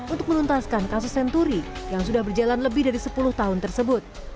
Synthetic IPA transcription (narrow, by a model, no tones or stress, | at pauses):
unt̪ʊk̚mənunt̪askankasʊsːɛnt̪uɾijaŋsudahbərd͡ʒalanləbɪhdaɾisəpulʊht̪aɦʊnt̪ərsəbʊt̪̚